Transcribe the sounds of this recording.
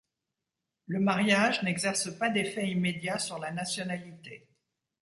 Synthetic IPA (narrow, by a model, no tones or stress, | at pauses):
ləmaʁjaʒnɛɡzɛʁsəpad̪efɛimed̪jasyʁlanasjɔnalit̪e